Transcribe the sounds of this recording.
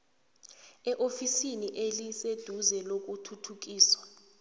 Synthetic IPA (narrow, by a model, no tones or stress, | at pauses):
ɛʔofisiniʔelised̥ʱuzɛlok̬ʼutʰutʰuk̬iːswa